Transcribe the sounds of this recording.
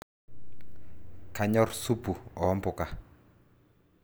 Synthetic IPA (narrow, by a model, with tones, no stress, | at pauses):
ka˨ɲɔ˦rsu˦pu˨ɔ˨ɔ˦mpʊ˨ka˨